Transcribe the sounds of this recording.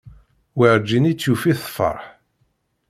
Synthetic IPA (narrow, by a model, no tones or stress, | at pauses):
wiɾd͡ʒinit͡sːjufiθfə̰ɾˤħ